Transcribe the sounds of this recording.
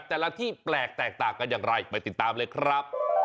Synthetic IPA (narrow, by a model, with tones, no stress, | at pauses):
t̪ɛː˨˩la˦˥t̪ʰiː˥˩plɛː˨˩k̚t̪ɛː˨˩k̚t̪aː˨˩ŋka˧njaː˨˩ŋɾa˧jpa˧jt̪i˨˩t̪ːaː˧mlɤː˧jkʰɾa˦˥p̚